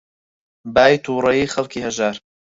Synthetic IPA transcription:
baːjt̪ʰuːɾɐjiːxɐlkʰiːhɐʒaːɾ

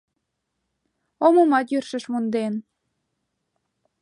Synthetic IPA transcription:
omomɑt̪jyrʃə̆ʃmund̪en

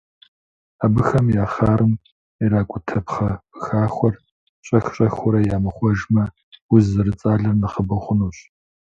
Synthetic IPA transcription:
aːbɨxɐmjaːχaːɾɨm | iɾaːkʷʼʊtʰɐpχɐb̥ɨxaːχʷɔr | ɕʼɐxɕʼɐxʷʊɾɐjaːmɨχʷɔʒmɐ | wʊzɨrɨt͡sʼaːɮɐrnɨχəbɐχʷʊnuːɕʼ

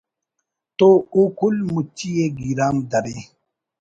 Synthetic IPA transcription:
t̪oukulmut͡ʃːijeɡiɾaːmd̪ɐɾe

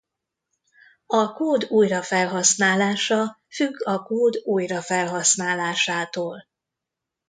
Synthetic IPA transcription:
ɒkoːd̪uːjrɒfɛlɦɒsnaːlaːʃɒ | fyɡːɒkoːd̪uːjrɒfɛlɦɒsnaːlaːʃaːt̪oːl

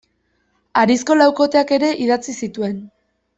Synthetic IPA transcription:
aɾisko̞lawko̞t̪e̞ake̞ɾe̞ʔiðat͡sisit̪ue̞n

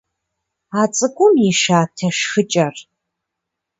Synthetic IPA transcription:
aːt͡sʼɨɡʷʼʊmiʃaːtʰɐʃxɨt͡ʃʼɐr

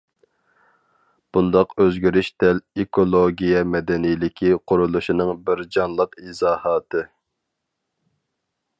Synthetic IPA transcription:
b̥und̪ɑqøzɡʲyɾyʃt̪ɛlekʰolˠoɡʲijɛmɛd̪ɛnijlɪkʲʰiqʰʊɾulˠuʃinɨŋbɪɾd͡ʒɑnlˠəqizɑːhɑːt̪ʰɨ

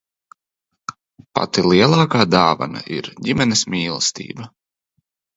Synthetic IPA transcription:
pa̰t̪ilˠiɛlˠɑːkaːd̪aːva̰na̰ʔiɾɟimɛnismʲiːlˠst̪ḭːbɐ

